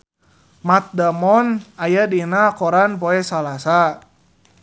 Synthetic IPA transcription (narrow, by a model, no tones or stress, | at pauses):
mat̪̚damɔnajadinakɔɾanpɔɛsalasa